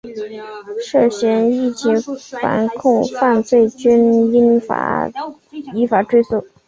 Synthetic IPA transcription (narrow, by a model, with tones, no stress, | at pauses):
ʂɤ˥˩ɕɥɛ˧˥ni˥˩t͡ɕi˧˥fa̰˧˥nkʰʊ˥˧ŋfa˥˧nt͡swe˥˩ɪt͡ɕy˥ni˥nfa̰˧˥ | i˧˥fa˧˥ʈ͡ʂwe˥ɪsu˥˩